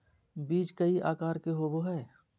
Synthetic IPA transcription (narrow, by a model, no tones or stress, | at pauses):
biːt͡ʃkɐiʔa̰ːkaːɾkeɦoboɦɛː